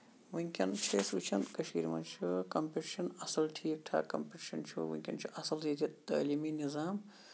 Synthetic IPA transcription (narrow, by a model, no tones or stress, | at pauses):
ʋũŋkʲɐnt͡ʃʰesuːt͡ʃʰɐnkɐʃḭːɾmɐnt͡ʃʰukɐmpiʈiʃɐnɐsɐlʈʰiːk̚ʈʰa̰ːkɐmpiʈiʃɐnt͡ʃʰṵʋṵ̃ŋʲkʲɐnt͡ʃʰuʔɐsɐlzit̪ʰit̪ɐ̰ːliːminizaːm